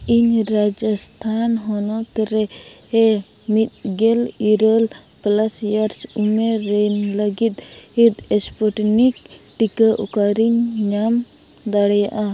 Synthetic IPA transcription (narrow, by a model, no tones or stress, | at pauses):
iɲɾad͡ʒast̪ʰanɦɔnɔt̪ɾɛ | ɛ | mit̪̚ˀɡɛliɾəl | plasjaɾsumeɾɛnləɡit̪̚ | hit̪ɛspɔʈnik | ʈikaʔukaɾiɲɲam | d̪aɽɛjaʔa